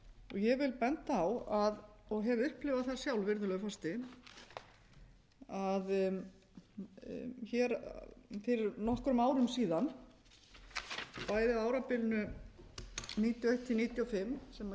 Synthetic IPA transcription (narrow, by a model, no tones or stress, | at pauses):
ɔɣjɛvɪlpɛnt̪aawaðɔɣɦɛvʏhplɪvaðθasjawlvɪɾðʏlœɣʏfast̪ɪ | að | çɛɾfɪɾnɔhkɾʏmaːwɾʏmsiːðan | paːjðɪaːwɾapɪlnʏ | niːt̪jɔejht̪ʰːɪniːt̪jɔfɪmːsɛma